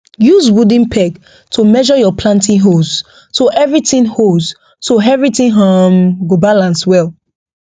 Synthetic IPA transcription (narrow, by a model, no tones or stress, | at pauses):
juzwudĩnpʰɛɡ | tʰomɛʒɔjɔpʰlãntĩɦos | toʔɛvɹitĩnhos | toɛvɹitĩnɦamɡobalãnswɛl